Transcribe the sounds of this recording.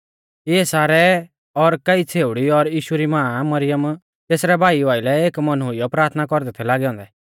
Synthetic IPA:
ɪɛsaːɾɛ | ɔɾkɐit͡sʰeːʊɽiɔɾjiːʃuɾimãːmɐɾɪjəm | t̪eːsɾɛbʱaːiaːilɛeːkmɐnɦʊɪjɔpɾaːɾt̪ʰnakɔɾd̪ɛt̪ʰɛlaːɡɛɔ̃nd̪ɛ

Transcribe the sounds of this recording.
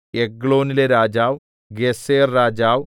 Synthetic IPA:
eɡɭo̞ːnileɾaːd͡ʑaːʋ | ɡeseːrːaːd͡ʑaːʋ

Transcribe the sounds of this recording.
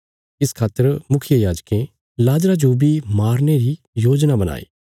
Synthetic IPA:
ɪskʰaːt̪ːəɾmʊkʰɪjəjaːd͡ʒkẽ | laːd͡ʒɾad͡ʒoːbimaːɾneɾi | joːd͡ʒnabɐna̰ːḭː

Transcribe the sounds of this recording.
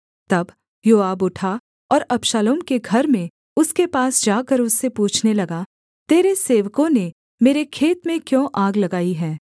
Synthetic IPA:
t̪ɐb | joːaːbʊʈʰa | ɔːɾɐpʃaːloːmkeɡʱɐɾmẽ | ʊskepaːsd͡ʒaːkəɾʊsːepuːt͡ʃʰnelɐɡa | t̪eːɾeseːʋkõne | meːɾekʰeːt̪mẽkjõːʔaːɡlɐɡaːiɦɛː

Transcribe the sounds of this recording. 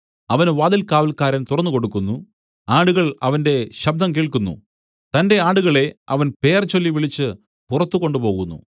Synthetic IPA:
ɐʋɐnʋaːd̪ilkaːʋɐlkaːɾɐnt̪urɐnːuko̞ɽukːunːu | aːɽuɣɐɭɐʋɐnde̞ɕɐb̚d̪ʱɐmk̬iːɭkunːṵ | t̪ɐnde̞aːɽuɣɐɭe̞ɐ̰ʋɐnpe̞ːrt͡ɕolːiʋiɭit͡ɕːɨ | purɐt̪ːuko̞ɳɖupo̞ːɣunːṵ

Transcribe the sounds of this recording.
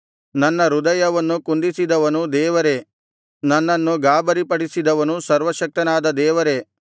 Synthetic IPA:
nɐnːɐɾud̪ɐjɐʋɐnːukund̪isid̪ɐʋɐnud̪ɛːʋɐɾe̞ | nɐnːɐnːuɡaːbɐɾipɐɽisid̪ɐʋɐnusɐɾʋɐʃɐk̚t̪ɐnaːd̪ɐd̪ɛːʋɐɾe̞

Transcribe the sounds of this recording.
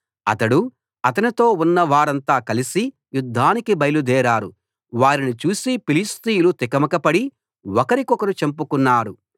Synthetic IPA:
ɐ̰t̪ɐɽu | ɐt̪ɐnit̪o̞ːunːɐʋaːɾɐnt̪aːkɐlisi | jud̪ʱːaːnikibɐjɐlud̪ɛːɾaːɾu | ʋaːɾinit͡ʃuːsipilist̪iːjulut̪ikɐmɐkɐpɐɽi | wɔkɐɾikɔkɐɾut͡ʃempukunːaːɾu

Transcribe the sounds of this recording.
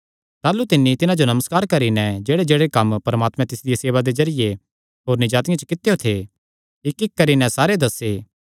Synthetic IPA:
t̪aːlut̪ɪnːit̪ɪnãd͡ʒonɐməskaːɾkɐɾinɛ̃d͡ʒeːɽed͡ʒeːɽekɐmpɐɾəmaːt̪mɛ̃t̪ɪsd̪ɪjeseːʋad̪ezɐɾɪje | ɦoːɾnɪd͡ʒaːt̪ɪjãt͡ʃə̥kɪt̪ejot̪ʰe | ɪkɪkːɐɾinɛ̃saːɾed̪ɐseː

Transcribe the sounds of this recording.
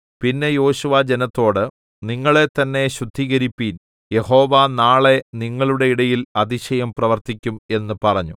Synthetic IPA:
pinːe̞jo̞ːɕuʋad͡ʑenɐt̪ːo̞ːɽɨ | niŋːɐɭe̞t̪ːɐnːe̞ɕud̪ʱːiɣɐɾipːiːn | je̞ho̞ːʋanaːɭe̞niŋːɐɭuɽe̞iɽɐjilɐd̪iɕɐjɐmprɐʋɐrt̪ikʲːume̞nːɨpɐrɐɲːu

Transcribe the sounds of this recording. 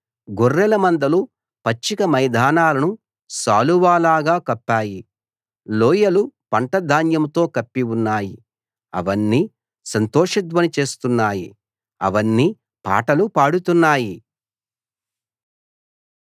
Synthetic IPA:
ɡorːɛlɐmɐnd̪ɐlu | pɐt͡ʃːikɐmɐjd̪ʱaːnaːlɐnu | saːluʋaːlaːɡaːkɐpːaːji | lɔːjɐlupɐɳʈɐd̪ʱaːnjɐmt̪o̞ːkɐpːiunːaːji | ɐ̰ʋɐnːiː | sɐnt̪ɔːʂɐd̪ʋɐnit͡ʃe̞ːst̪unːaːji | ɐ̰ʋɐnːi | pa̰ːʈɐlupaːɽut̪unːaːji

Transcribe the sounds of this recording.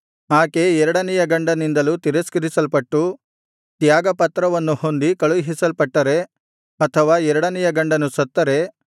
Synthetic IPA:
aːke̞ɛɾɐɽɐnɛjɐɡɐɳɖɐnind̪ɐlut̪iɾɐskɐɾisɐlpɐʈːu | t̪jaːɡɐpɐt̪ːɾɐʋɐnːuho̞nd̪ikɐɭuʋɦisɐlpɐʈːɐɾe̞ | ɐt̪ʰɐʋaːɛɾɐɽɐnɛjɐɡɐɳɖɐnusɐt̪ːɐɾe̞

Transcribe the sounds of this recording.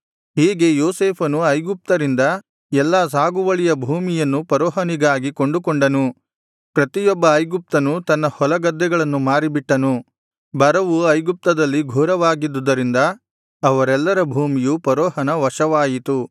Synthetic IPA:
ɦiːɡe̞joːseːpʰɐnuɐjɡup̚t̪ɐɾind̪ɐ | ɛlːaːs̬aːɡuʋɐɭijɐbʱuːmijɐnːupɐɾɔːɦɐniɡaːɡikoɳɖukoɳɖɐnu | pɾɐt̪ijɔbːɐːjɡup̚t̪ɐnut̪ɐnːɐhɔlɐɡɐd̪ːɛɡɐɭɐnːumaːɾibiʈːɐnu | bɐɾɐʋuɐjɡup̚t̪ɐd̪ɐlːiɡʱuːɾɐʋaːɡid̪ːud̪ɐɾind̪ɐː | ʋɐɾɛlːɐɾɐbʱuːmijupɐɾɔːɦɐnɐʋɐʂɐʋaːjit̪u

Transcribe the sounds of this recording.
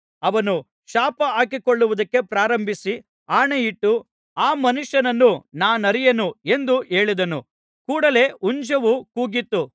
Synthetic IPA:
ɐʋɐnu | ʃaːpɐaːkikoɭːuʋud̪ɐkːe̞pɾaːɾɐmbʱisi | aːɳejiʈːu | aːmɐnuʂjɐnɐnːunaːnɐɾijɐnue̞nd̪uʔe̞ːɭid̪ɐnu | kuːɽɐle̞uɲd͡ʒɐʋukuːɡit̪ːu

